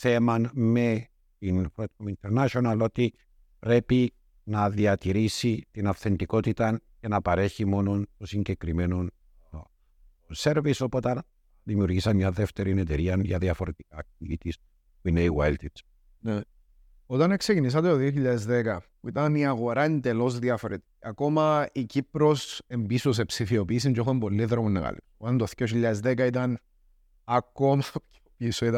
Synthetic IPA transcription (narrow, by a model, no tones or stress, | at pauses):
θemɐnme̞ | t̪inpɾot̪omint̪eɾnaʃonɐlo̞t̪i | pɾe̞pi | nɐðiɐt̪iɾisit̪inɐfθe̞nd̪iko̞t̪it̪ɐce̞nɐpɐɾe̞çimo̞no̞nt̪osiɲɟe̞kɾime̞non | ose̞ɾviso̞po̞t̪ɐn | ðimiuɾʝisɐnɲɐðe̞ft̪e̞ɾine̞t̪e̞ɾiɐnʝɐðiɐfo̞ɾet̪i̥kɐciit̪is | puineiɣwa̰elt̪it̪ | ne | ot̪ɐneksecinis̬ɐt̪et̪oðioçiʎːaðezðekɐpuit̪ɐniaɣo̞ɾaend̪e̞lo̞zðiɐfoɾet̪i̥ciɐko̞mɐicipɾo̞se̞mbisos̬e̞psifio̞piːs̬iɲcoxoembolːiðɾomonːeɣɐ̰lḭsot̪ɐnt̪oθjoçiʎːaðezðekɐit̪ɐn | ɐkːo̞mɐt̪oceopiːsoit̪ɐ